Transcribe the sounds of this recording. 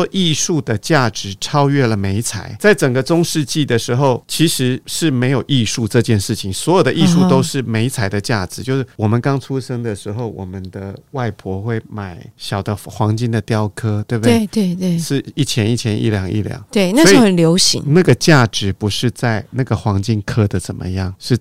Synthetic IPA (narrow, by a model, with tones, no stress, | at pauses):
ɔ˥ʔi˥˧ʂu˥˩d̪ə˩t͡ɕja˥˩ʈ͡ʂɻ̩˨˧˥ʈ͡ʂʰɑ˥ʊɥɛ˥˩lə˩me˧˥ɪt͡sʰa̰˨˩˦ɪt͡sa˥˩ɪʈ͡ʂə˨˩ŋɡə˦t͡sʊ˥ŋʂɻ̩˥˧t͡ɕi˥˩d̪ə˩ʂɻ̩˧˥xo˥˨˩ʊt͡ɕʰi˧˥ʂɻ̩˧˥ʂɻ̩˥˩me˧˥ɪjo˨˩ʊʔi˥˧ʂu˥˧ʈ͡ʂɤ˥˧t͡ɕjɛ˥˧nʂɻ̩˥˩t͡ɕʰi˨˩ŋswɔ˧˥jo˨˩d̪ə˧ʔi˥˧ʂu˥˩t̪o˥ʊʂɻ̩˥˩me˧˥ɪt͡sʰa˨˩ɪd̪ə˧t͡ɕja˥˩ʈ͡ʂɻ̩˨˩t͡ɕjo˥˧ʊʂ̩˥˩wɔ˨˩mə˨˦nkɑ˥ŋt͡sʰu˥ʂɤ˥ŋd̪ə˨ʂɻ̩˧˥xo˥˩ʊwʔɔ̰˨˩mə˦nd̪ə˧wa˥˩ɪpʰwɔ˧˥xwe˥˩ɪma˨˩ɪɕjɑ˨˩ʊd̪ə˦xwɑ˧˥ŋt͡ɕi˥nd̪ə˨t̪jɑ˥ʊkʰɤ˥t̪we˥˩ɪbd̪t̪we˥˩e˥˩ʂɻ̩˥˧i˥˩t͡ɕʰjɛ˧˥ni˥˩t͡ɕʰjɛ˧˥nḭ˥˩ljɑ˨˩˦ŋḭ˥˩ljɑ̰˨˩˦ŋt̪we˥˩ɪna˥wi˥˩ə˨˩nljo˧˥ʊɕḭ˧˥ŋna˥˩ɡə˩t͡ɕja˥˩ʈ͡ʂɻ̩˨˧˥pu˧˥ʂɻ̩˥˧t͡sa˥˩ɪna˥˩ɡə˩xwɑ˧˥ŋt͡ɕi˥nkʰɤ˥d̪ə˨t͡sə˨˩nmə̰˦jɑ˥˩ŋʂɻ̩˥˩